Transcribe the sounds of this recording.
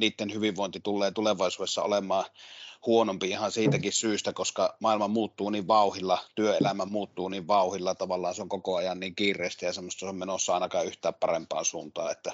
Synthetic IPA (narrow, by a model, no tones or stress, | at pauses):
niːt̪ːenhyʋiʋʋoˑent̪it̪ulːˑeːt̪uleʋɑˑesuːdesːɑ̰o̰lemˑɑːhuonompiihɑnsiːt̪ækissyːist̪ækoskɑmɑˑelmɑmuːt̪ːuːniʋʋɑˑuhilːɑt̪yøelæmæmuːt̪ːuːniʋʋɑˑuhilːɑt̪ɑʋɑlːˑɑːnseoŋkokoɑjɑnniːŋkiːrˑeˑːst̪æjɑsemːost̪ːɑsommenosːɑɑˑenɑkɑːʔyht̪æːppɑrempˑɑ̰ːnsuːnt̪ɑ̰ːet̪ːæ